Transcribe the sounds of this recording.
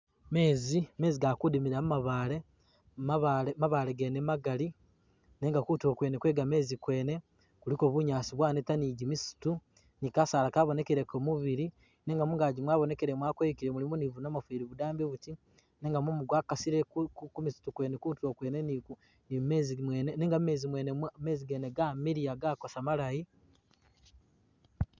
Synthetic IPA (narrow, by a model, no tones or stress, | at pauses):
me̞ːzime̞ːziɡakudimiɾamumaβaːle | aβmaβaɾeɡenemaɡali | ne̞ːŋɡakuto̞kwene̞kwe̞ːɡame̞ːzikwe̞ːne̞ | kuliko̞βuɲaːsiβwaːnetaniɟimisu̥tu | nikasaːlakaβo̞ne̞keɾekomuβiɾi | neŋɡamuŋɡaːɟimwaːβone̞keɾemwaːkweikiɾemulimonivunamafiːɾiβudaːmbeβuti | ne̞ːŋɡamumuɡwaːkasiɾekkkumisu̥tukwenekutuokweːneniu | nimmeːzimweneneːŋɡamme̞ːzimweːnemeːziɡeːneɡamiɾiaɡakosamalaji